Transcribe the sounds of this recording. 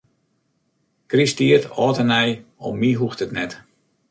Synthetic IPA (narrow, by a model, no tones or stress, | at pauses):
kristiərtɔːtənɛjɔ̰mːiɦuxtətnɛt